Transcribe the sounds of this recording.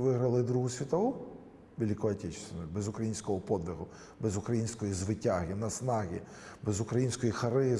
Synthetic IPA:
ʋɪɦɾɐlˠɪd̪ɾuɦʊsʲʋʲit̪ɐʋu | bʲilʲikɔɐtʲɛt͡ʃɪ̥senɔbɛzʊkɾɐjinʲsʲkɔɦɔpɔd̪ʲʋʲɪɦʊ | bɛzʊkɾɐjinʲsʲkɔjizʋɪtʲaɦɪnɐsnɑɦʲi | bɛzʊkɾɐjinʲsʲkɔjixɐɾɪ

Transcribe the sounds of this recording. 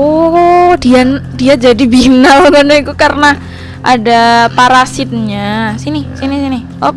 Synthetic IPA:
odiadiad͡ʒadibinaluɡanaikukarəna | ʔadapaɾasɪt̪̚ɲasinisinisini | ʔo

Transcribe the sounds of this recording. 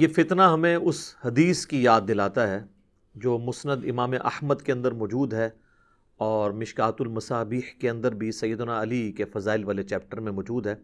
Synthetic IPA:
jefɪt̪naɦɐmẽʊshɐd̪iːskijaːd̪̚ːɪlaːt̪aɦɛː | d͡ʒoːmʊsnəd̪ɪmaːmeʔɐ̰hməd̪keɐ̃nd̪əɾmɔːd͡ʒuːd̪ɦɛ | ɔːɾmɪʃkaːt̪ʊlmɐsaːbiːhkeɐ̃nd̪əɾbʱisɐjːəd̪ʊnaɐlikefɐzaːɪlʋaːlet͡ʃɛːp̚ʈəɾmẽʋɔːd͡ʒuːd̪ɦɛː

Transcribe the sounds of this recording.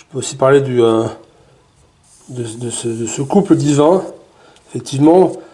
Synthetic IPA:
ʒəpøosipaʁled̪yø | d̪əd̪əsəd̪əsəkupləd̪ivɛ̃ | efɛk̚t̪ʰivmɑ̃

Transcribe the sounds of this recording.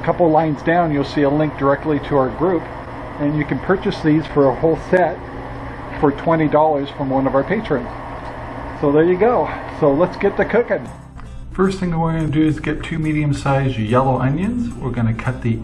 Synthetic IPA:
kʰʌpl̩ˠlãɪ̃nzdãʊ̃njulˠsiəlɪ̃ŋk̚d̥ə˞ɛk̚tˡliɾɨaʊə˞ɡɹʉp | ɨ̃njɨkɨ̃n̩pʰɜ˞t͡ʃɨsðiz̥fə˞əhoʊlˠsɛt̚ | fə˞tʰw̥ɛ̃ɾ̃idɔlˠə˞z̥fɹʌ̃mwʌ̃nʌvaʊə˞pʰeɪt͡ʃɹ̥ɨ̃nz̥ | soʊðə˞jɨɡoʊsoʊlətsɡ̥ɛt̪̚ðɨkʰʊkɨ̃n | fɜ˞sθɪ̃ŋɨwə˞ɡʌnɨdɨːzɡɛtʰʉmiɾiɨ̃msaɪzjə˞jɛlˠoʊʔʌ̃njɨ̃nz̥wɪɹɡʌñɨkʰʌt̪̚ði

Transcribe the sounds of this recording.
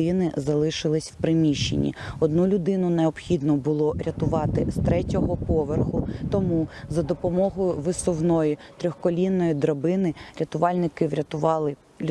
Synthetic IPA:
ɪnɪzɐlˠɪʃɪlˠɪsʲwpɾɪmʲiʃːḛnʲḭɔd̪nulʲʊd̪ɪnʊneɔpxʲid̪nɔbʊlˠɔɾʲɐt̪ʊʋɑt̪ɪst̪ɾɛtʲɔɦɔpɔʋerxʊt̪ɔmuzɐd̪ɔpɔmɔɦɔjʊʋɪsɔwnɔjit̪ɾʲɔxkɔlʲinːɔjid̪ɾɐbɪnɪɾʲɐt̪ʊʋɑlʲnɪkɪʋɾʲɐt̪ʊʋɑlˠɪ

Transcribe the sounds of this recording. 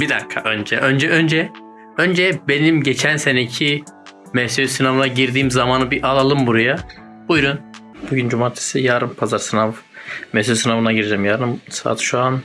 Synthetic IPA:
bid̪akʰa̰ʔø̞nd͡ʒɛʔø̞nd͡ʒɛønd͡ʒɛ | ø̞nd͡ʒɛbe̞nimɟet͡ʃʰænse̞necʰi | mɛsysinavɯnaɟiɾd̪iːmzamaːnɯbiʔalˠalˠɯmbuɾaja | bujɾun | b̥uɟynd͡ʒumaːt̪ʰe̥sijaːɾɯmpʰazaɾsɯnav | mɛsysinavɯnaɟiɾd͡ʒɛmjaːɾɯmsa̰ːt̪ʰʃuan

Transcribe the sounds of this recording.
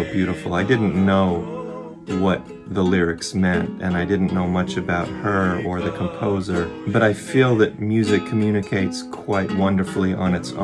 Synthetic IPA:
bjʉɾəfl̩ˠaɪdɪdⁿn̩noʊ | wʌt̪̚ | ðəlɪɹɨksmɛ̃ntɨ̰̃naɪdɪdⁿn̩noʊmʌt͡ʃɨbaʊt̚hə˞ə˞ðɨkʰm̩pʰoʊzə˞bʌɾaɪfilˠðɨt̚mjʉzɨkʰm̩jʉnɨkʰeɪtskʰw̥aɪt̚wʌ̃ndə˞fl̩ˠiʔə̃nɨtsõ̰

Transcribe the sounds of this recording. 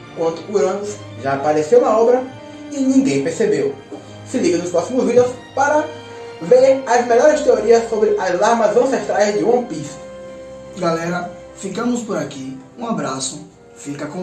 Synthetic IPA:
kwɐ̃nt̪ʊuɾɐ̃nus | ʒaːpaɾesew̃ɐɔbɾɐ | ɪnĩɡẽj̃peɾsebew | sɪliɡɐ̃nʊspɾɔsimʊzvid̪ews | paɾɐ | veɾɐzmeʎɔɾɪst̪eoɾiɐsobɾɪʔazlaɾmɐzɐ̃seʃt̪ɾajzd̪ɪũõpis | ɡalɛɾɐ | fikɐ̃mʊspoɾakiũabɾasʊ | fikɐkõ

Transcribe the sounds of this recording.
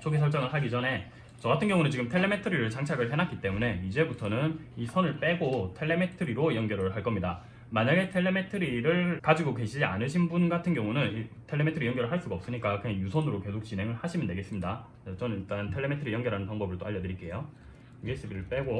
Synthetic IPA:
t͡ɕʰoɡisʰʌɭt͡ɕ͈aŋɯɭɦaɡid͡ʑʌne̞ | t͡ɕʌɡatʰɯnɡjʌŋunɯnt͡ɕiɡɯmtʰeɭːe̞me̞tʰɯɾiɾɯɭt͡ɕaŋt͡ɕʰaɡɯɭpʰenak͈it͈e̞mune̞id͡ʑe̞butʰʌnɯnisʰʌnɯɭp͈e̞ɡotʰe̞ɭːe̞metʰɯɾiɾojʌŋɡjʌɾɯɭɦaɭk͈ʌmɲida | maɲaɡe̞tʰe̞ɭːe̞metʰɯɾiɾɯɭkad͡ʑiɡoke̞ɕʰid͡ʑia̰nɯɕʰinbunɡatʰɯnɡjʌŋunɯnitʰeɭːe̞metʰɯɾijʌŋɡjʌɾɯɭɦaɭs͈uɡaʌps͈ɯɲik͈akɯejusʰʌnɯɾoke̞sʰok̚t͡ɕ͈inɦe̞ŋɯɭhaɕʰimjɯndwe̞ɡe̞s͈ɯmɲida | at͡ɕʌnɯniɭt͈antʰeɭːe̞metʰɯɾijʌŋɡʌɾanɯnpaŋbʌbɯɭt͈oaʎːʌdɯɾik͈e̞jo | es͈ɯbiɾɯɭp͈e̞ɡo

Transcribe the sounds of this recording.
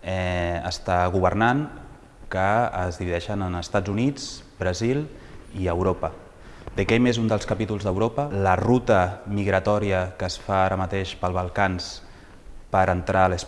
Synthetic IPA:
ɛə̰st̪aɣ̞uβərnaŋ | kəːzðiβiðɛʃənənəst̪ad͡zunid͡zbɾəzilˠ | iəwɾopə | d̪əkɛmezund̪əlˠskəpit̪ulˠzðəwɾopələrut̪əmiɣɾət̪ɔɾiəkəsfaaɾəmət̪eʃpəlˠβəlˠkans | pəɾənt̪ɾʔaələs

